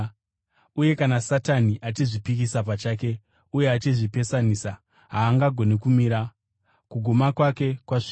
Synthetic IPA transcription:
uje̞kanasataniʔat͡ʃiʐipikisap̬at͡ʃake̞ | uje̞at͡ʃiʐipe̞saniːsa | ɦaːŋɡaɡʱo̞nekumiɾa | kuɡʱomakwake̞kwaʐi

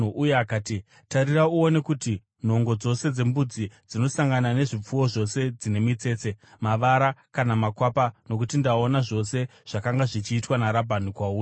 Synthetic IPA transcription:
uʔujeakaːti | taɾirauone̞kuti | n̤o̞ŋɡo̞d͡zo̞se̞d͡ze̞mbud͡zid͡zino̞saŋɡanane̞ʐip͡fuwo̞ʐo̞se̞d͡zine̞mit͡se̞ːt͡se̞maʋaɾakanamakwapano̞kutindaonaʐo̞se̞ʐ̥akaŋɡaʐit͡ʃiːtwanaɾabʱanikwauː

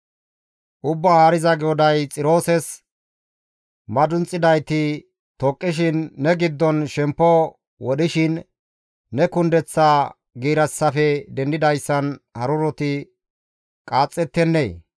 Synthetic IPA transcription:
ʔʊbːahaːɾɪzɐɡɛɔd̪ɐjt͡sʼɪɾo̞ːsɛs | mɐd̪ʊnt͡sʼːɪd̪ɐjt̪ɪ | t̪ɔkʼːɪʃ̬ɪnːɛɡɪd̪ːɔnʃɛmpːɔ | wɔɗɪʃɪnː | ɛkʊnd̪ɛt͡sːa | ɡiːɾɐsːɐfɛd̪ɛnd̪ɪd̪ɐjsːɐnhɐɾʊɾɔt̪ɪ | kʼaːt͡sʼːɛt̪ːɛnːḛː

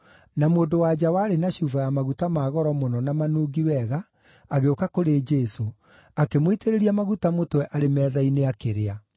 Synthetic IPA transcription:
namoːndowad͡ʑawaːɾenaɕuvajamaɣutamaːɣɔɾɔmonɔnamanoːɡiwɛɣa | aɣeokakoɾeːd͡ʒɛso | akemwiteɾeɾiamaɣutamotwɛʔaɾemɛːðaineakeɾea

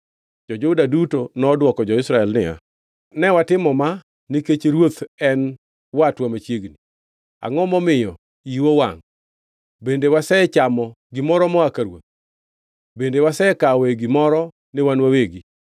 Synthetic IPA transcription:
d͡ʒɔd͡ʒodadutonɔdwɔkɔd͡ʒɔɪsɾaɛlnɪa̰ | nɛwatɪmɔma | niket͡ʃeɾwot̪ɛn | watwamat͡ʃjeɡni | a̰ŋɔmɔmɪjɔ | iwowa̰ŋ | bendewasɛt͡ʃamɔ | ɡɪmɔɾɔmɔakaɾwo̰t̪̚ | bendewasɛkaweɡimɔɾɔ | nɪwanwaweɡi

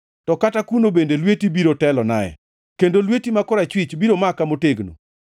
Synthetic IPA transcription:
tɔkatakunobendelwetibiɾotɛlɔna̰ɛ̰ | kendolwetimakɔɾat͡ʃwɪt͡ʃbiɾomakamoteɡno̰

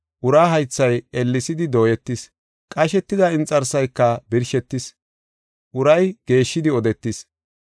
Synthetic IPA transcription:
ʔʊɾaːɦɐjt͡sːɐjɛlːɪsɪd̪ɪd̪o̞ːjɛt̪ːɪs | kʼɐʃɛt̪ːɪd̪ɐɪnt͡sʼːɐɾsɐjkːɐbɪɾʃɛt̪ːɪs | ʔʊɾɐjɡ̥e̞ːʃːɪd̪ɪɔd̪ɛt̪ːɪs

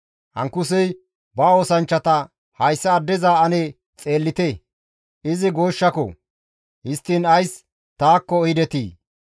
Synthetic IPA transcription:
hɐ̰ŋkːʊs̬ɛj | bɐo̞ːsɐnt͡ʃːɐt̪ɐ | hɐjsːɐːd̪ːɛzaːɐne | t͡sʼe̞ːlːɪt̪e | ɪzɪɡo̞ːʃːɐkɔ̰ | hɪst̪ːiːnɐjs | t̪aːkːɔːjɪd̪ɛt̪ḭː

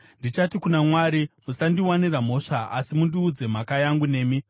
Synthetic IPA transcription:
ndit͡ʃatikunamwaːɾimusandiwaniram̤o̞ʂaʔa̰simundiud͡ze̞m̤akajaŋɡune̞ːmi

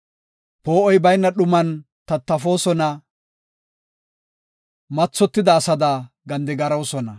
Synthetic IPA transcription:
poːʔɔjbɐjnːɐɗʊmɐn | t̪ɐt̪ːɐfo̞ːsɔnɐ | mɐt͡sːɔt̪ːɪd̪ɐːsɐd̪ɐ | ɡɐnd̪ɛɡɐɾɐwsɔnɐ

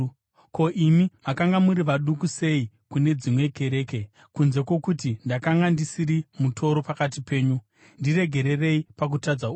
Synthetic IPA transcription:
ko̞ʔimimakaŋɡamuɾiʋaɗukuse̞i | kune̞d͡zimwe̞kʰe̞ɾe̞ːke̞ | kunze̞kwo̞kutindakaŋɡandisiɾimutʰo̞ɾo̞pakat̬ipe̞ːɲu | ndire̞ɡʱe̞ɾe̞re̞ipak̬utad͡zau

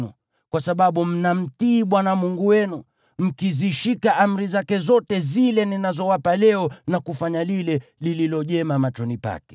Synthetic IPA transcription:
ṵ | kwasaɓaɓum̩nam̩tiːɓwanamuŋɡuwɛnu | m̩kiziʃikaʔam̩ɾizakɛzɔtɛzilɛninazɔwapalɛɔnakufaɲalilɛlililɔʄɛmamat͡ʃɔnipa̰kɛ̥

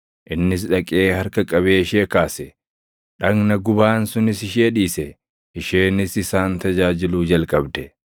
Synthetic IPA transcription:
ʔɪnːɪs̬ᶑɐkʼe̞ːhɐɾkɐkʼɐβeːɪʃeːkaːsɛ | ᶑɐŋnɐɡʊbaːnsʊnɪsɪʃeːᶑiːsɛ | ɪʃeːnɪsɪsaːnt̪ɐd͡ʒaːd͡ʒɪluːd͡ʒɐlkʼɐbd̪ɛ

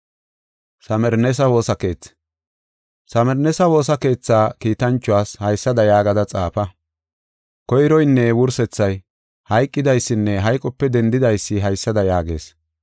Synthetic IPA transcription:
sɐmɛɾnɛs̬ɐwo̞ːsɐke̞ːt͡sː | sɐmɛɾnɛsɐwo̞ːsɐke̞ːt͡sːaːkiːt̪ɐnt͡ʃːʊwaːshɐjsːɐd̪ɐjaːɡɐd̪ɐt͡sʼaːpɐ | kɔjɾɔjnːɛwʊɾsɛt͡sːɐj | hɐjkʼːɪd̪ɐjsːɪnːɛɦɐjkʼɔpːɛd̪ɛnd̪ɪd̪ɐjsːɪɦɐjsːɐd̪ɐjaːɡe̞̰ːs

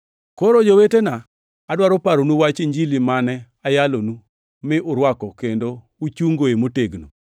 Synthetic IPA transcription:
koɾod͡ʒowetenaː | dwaɾopaɾonuwat͡ʃeɲd͡ʒilimanɛ | ajalonu | mɪʔʊɾwakɔkendo | ut͡ʃuŋɡoemoteɡno

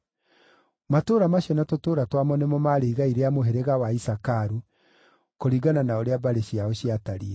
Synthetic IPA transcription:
matoːɾamaɕɛnatotoːɾatwamɔnɛmɔmaɾeiɣaiɾeamoɦeɾeɣawaisakaɾu | koɾiɡananaoɾeabaɾeɕiaoɕiataɾiɛ

